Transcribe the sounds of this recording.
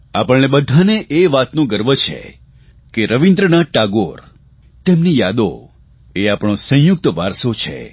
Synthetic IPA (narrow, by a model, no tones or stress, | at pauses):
apəɭnebəd̪ʱaneʔeʋat̪nũɡəɾʋət͡ʃʰḛ | keɾəʋind̪ɾənaʈaɡoɾ | t̪emnijad̪o̰ | eapɳ̃õsə̃jʊk̚t̪əʋaɾsot͡ʃʰḛ